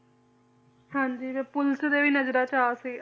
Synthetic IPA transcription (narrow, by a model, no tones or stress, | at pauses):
hãːɲd͡ʒiːʋeːpʊlsd̪eːʋiːnəzɾaːt͡ʃaːsiː